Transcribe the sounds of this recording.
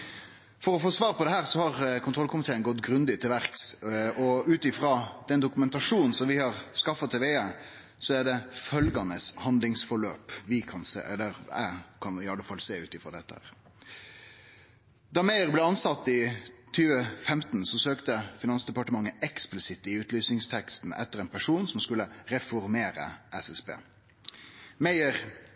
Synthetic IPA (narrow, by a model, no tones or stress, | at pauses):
fɔɾɔfoːsʋɑːʁpɔd̪ɛɦæːʁsɔhɑʁkʰʊnt̪ʁɔlkʰʊmɪt̪ʰeːənɡɔt̪ːɡɾʉnd̪ɪt̪ʰɪlʋæʁksɔʉːt̪ɪfʁɑːd̪̥ɛnd̪ʊkʉmɛnt̪ɑʂuːnnsɔmʋɪhɑʁskɑfɑt̪ʰɛʋeːə | sɔæʁd̪ɛfœlɡɑnəshɑnd̪lɪŋsfɔɭøːpʋɪkʰɑnsḛːɛ̰lːəʁæ̰kʰɑnɪɑlːəfɑlseːʉːt̪ɪfɾɑ̰ːd̪ɛt̪ːəhæ̰ːʁ | d̪ɑːmæɪəʁbleːɑnsɑt̪ːɪt̪ʰyːʋəfɛmt̪nsɔsøːkt̪əfɪnɑnsd̪ɛpɑʈəmɑŋːəʔɛksplɪsɪt̪ɪʉːt̪lyːsnɪŋst̪ʰɛkst̪n̩ʔɛ̰t̪ːəʁɛɪnpʰæʂuːnsɔmskʉlːəʁɛfɔɾmeːɾə̰ʔɛsɛspḛː | mæɪəɾ